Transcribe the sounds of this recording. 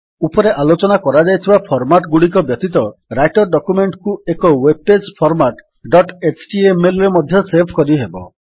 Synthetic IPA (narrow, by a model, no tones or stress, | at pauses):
upɔɾeʔalot͡ʃɔnakɔɾad͡ʒajt̪ʰibapʰɔɾmaʈɡuɽik̬ɔbjɔt̪it̪ɔɾajʈɔɾɖɔkumeɳʈkuekɔweb̚pːespʰɔɾmaʈ | ɖɔʈet͡ʃʈiemelɔɾemɔd̪ʱjɔseɾpʰkɔɾiɦebɔ̰